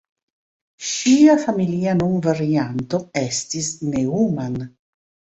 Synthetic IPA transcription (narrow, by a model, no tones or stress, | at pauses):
ʃiafamiliːanunvaɾiant̪oest̪isneuman